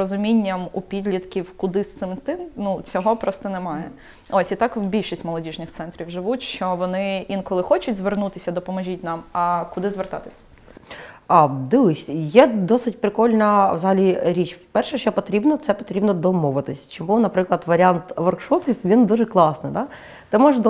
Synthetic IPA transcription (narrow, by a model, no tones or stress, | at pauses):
ɔzʊmʲinʲːɐmupʲid̪ʲlʲit̪kʲiwkʊd̪ɪst̪ɪmt̪ɪmnut͡sʲɔɦɔpɾɔst̪ɐnɛmɑjɛ | ɔsʲit̪ɑkwbʲilʲʃisʲtʲmɔlˠɔdʲiʒnɪxt̪sɛnt̪ɾʲiwʒɪʋutʲʃt͡ʃɔʋɔnɪʋʲinkɔlˠɪxɔt͡ʃʊtʲzʋernut̪ɪsʲɐd̪ɔpɔmɐʒʲit̚ʲnɑmɐkʊd̪ɪzʋert̪ɑt̪ɪ̥sʲɐ̥ | ɑd̪ɪʋˠɪsʲjɛd̪ɔsɪt̚ʲpɾɪkɔlʲnɐwzɐɦɐlʲiɾʲit͡ʃfpɛrʃɛʃt͡ʃɔpɔt̪ɾʲibnɔt̪sɛpɔt̪ɾʲibnɔd̪ɔmɔʋɪt̪ɪsʲt͡ʃɔmunɐpɾɪklˠɐd̪ʋɐɾʲant̪ʋɔrkʂɔpʲiwʋʲind̪uʒɛklˠɑsnɪd̪ɑ | t̪ɛmɔʒɐd̪